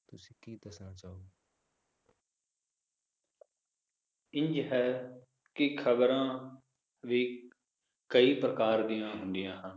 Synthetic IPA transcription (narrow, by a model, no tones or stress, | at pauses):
t̪ʊsĩːkiːd̪əsnaːt͡ʃaːoː | ɪ̃ɲd͡ʒɦɛː | kɪkʰəbəɾãː | ʋiː | kəiːpɾəkaːɾd̪ijãːɦʊ̃nd̪ɪjãːɦən